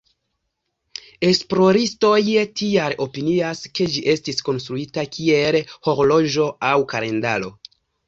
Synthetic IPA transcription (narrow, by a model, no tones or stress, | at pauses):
e̞splo̞ɾisto̞jtialo̞piniaske̞d͡ʒiʔe̞stisko̞nstɾuitakʰie̞lho̞ɾlo̞ʒo̞awkaɾe̞nda̰lo̞̰